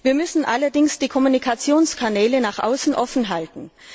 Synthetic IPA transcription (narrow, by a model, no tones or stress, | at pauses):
viːɐmʏsn̩ʔalɐdɪŋsd̥iːkʰɔmunikʰat͡sjoːnskʰanɛːlənaːχʔa̰ʊsn̩ʔɔfn̩ɦaltn̩